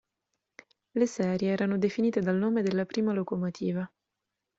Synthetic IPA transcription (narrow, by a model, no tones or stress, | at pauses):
lesɛːɾjeɛːɾanod̪efiniːt̪ed̪alnoːmed̪elːapɾʔiːmalokomot̪ʰiːva